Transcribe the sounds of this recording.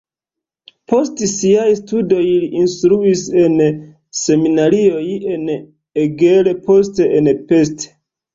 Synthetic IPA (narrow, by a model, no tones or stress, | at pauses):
po̞stsiajstudo̞jliʔinstɾuise̞n | se̞minaɾio̞je̞n | eɡele̞po̞steʔenpe̞ste̥